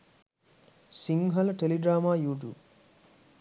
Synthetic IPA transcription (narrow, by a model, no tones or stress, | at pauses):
siŋɦɐləʈeliɖɾaːmaːjuːʈ̬jṵːb